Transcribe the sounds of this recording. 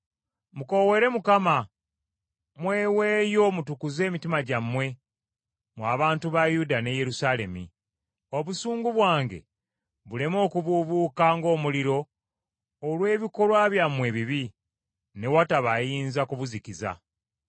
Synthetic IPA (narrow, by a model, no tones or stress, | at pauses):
muko̞we̞ɾe̞mukama | mwe̞ːwe̞ːjo̞mutukuze̞ːmitimaɟamːwe̞ | mwaːβaːntuβajudane̞je̞ɾusale̞mḭ | o̞βusuːŋɡuβwaːŋɡe̞̰ | βule̞mo̞ːkuβuβuːkaŋɡo̞ːmuliɾo̞ː | lwe̞ːβiko̞lwaːβjamːwe̞βiβi | ne̞wataβajiːnzakuβuzikiza̰